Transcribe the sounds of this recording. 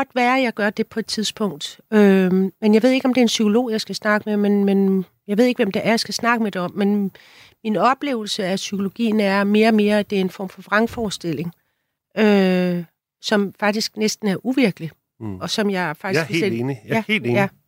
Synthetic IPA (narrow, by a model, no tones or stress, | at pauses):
ɡ̥ɒ̽d̥ʋæːɐjɑ̈ɪɡ̥ɶɐd̥e̝pʰɒ̽e̝d̥̚t͡sʰið̞ˠsb̥ʰɔ̽ŋ̰d̥ømenjɑɪʋe̝ð̞̰ˠe̝ɡ̥ɒ̽md̥e̝ɐensykʰo̝lo̝̰ːjɑɪsɡ̥æsnɑ̈ɡ̥əmemenmen | jɑ̈ɪe̝ð̞̰ˠeɡ̥ʋemd̥eʔæɐjsɡ̥æsnɑ̈ɡ̥əmeɾ̥e̝ɒ̽m̰ːen | minɒ̽b̥lḛːʊl̩səæsykʰo̝lo̝ɡ̥ḭːn̩æɐme̝ːɐːme̝ːɐæd̥e̝æɐe̝nfɒ̰ːmfɒ̽fʁɑ̈ŋfɒːsd̥el̰e̝ŋ | ø | sɒ̽mfɑ̈ɡ̥̚d̥isɡ̥nesd̥n̩æɐʔuʋiɐɡ̥əli | ɒ̽sɒ̽mjɑ̈ɪfɑɡ̥sɡeeniæhḛleːjæ